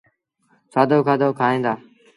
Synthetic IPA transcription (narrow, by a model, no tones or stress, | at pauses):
saːd̪oːkʰaːd̪oːkʰaːɦẽːnd̪aː